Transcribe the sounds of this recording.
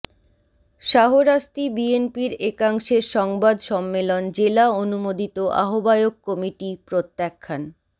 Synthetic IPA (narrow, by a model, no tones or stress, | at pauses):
ʃaɦoɾaʃt̪ibienpiɾekaŋʃeɾʃɔŋbad̪ʃɔmːelond͡ʑelaonumod̪it̪oʔa̰ɦobaeokkːɔmiʈipɾot̪ːakʰːan